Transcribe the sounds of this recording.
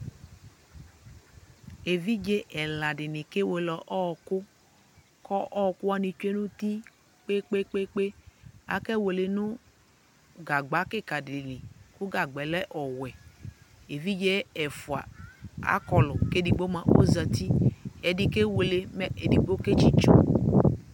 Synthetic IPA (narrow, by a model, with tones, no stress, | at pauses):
e˨vi˦d͡ʒe˦ʔɛ˨la˨dɪ˨nɪ˨ke˦we˨lɔ˨ʔɔ˦˨kʊ˦ | kɔ˦ʔɔ˦˨kʊ˦a˦ni˨t͡ʃe˦nũ˦t̪i˦ | k͡pe˦k͡pe˦k͡pe˦k͡pe˦a̰˨kɛ˦wo˨le˨nʊ˦ | ɡa˨ɡ͡ba˨˦ke˦˨ka˨dɪ˨nɪ̃˨kʊ˦ɡa˨ɡ͡bɛ˨lɛ˦ʔɔ˨wɛ˨ | e˨vi˦d͡ʒe˦ɛ˨fu˨a̰˨a̰˦kɔ˨lɔ˨ke˦di˨ɡ͡bo˦mã˨ʔo̰˦za˨t̪i˦ɛ˨di˨ke˦wo˨le˨mɛ˦e˨di˨ɡ͡bo˦ke˦t͡ʃi˦t͡ʃu˦